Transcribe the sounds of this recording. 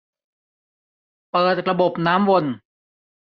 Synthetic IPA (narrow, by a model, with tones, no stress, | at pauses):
pɤː˨˩t̪̚ɾa˧bo˨˩p̚naː˦˥mwo˧n